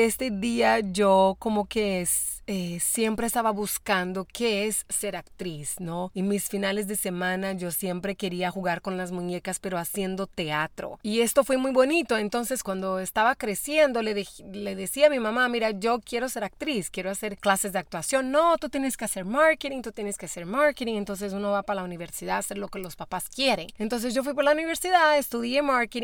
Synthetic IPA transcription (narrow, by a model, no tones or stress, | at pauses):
est̪e̞ðiaʝoko̞moke̞sesje̞mpɾe̞ːst̪aβaβuskand̪okeesːe̞ɾakt̪ɾisno̞imisfinale̞zðe̞se̞mãnaʝo̞sje̞mpɾe̞ke̞ɾiaxuɣaɾko̞nlazmũɲe̞kaspe̞ɾoasje̞nd̪o̞t̪e̞at̪ɾo̞̰iest̪o̞fwe̞mujβo̞nit̪o̞e̞nt̪o̞nse̞skwand̪o̞est̪aβakɾe̞sje̞nd̪o̞leðexleðesiamimamamiɾaʝo̞kje̞ɾo̞se̞ɾak̚t̪ɾiskje̞ɾoase̞ɾklase̞zd̪eak̚t̪wasjo̞nːo̞t̪ut̪jeneske̞ase̞ɾmaɾket̪iŋt̪ut̪je̞neskease̞ɾmaɾket̪iŋent̪o̞ns̬e̞s̬uno̞βapalauniβe̞ɾsiðaase̞ɾlo̞kelo̞spapaskje̞ɾe̞ŋent̪o̞ns̬e̞zʝo̞f̬wip̬oɾlauniβe̞ɾsiðaest̪uðjemaɾket̪i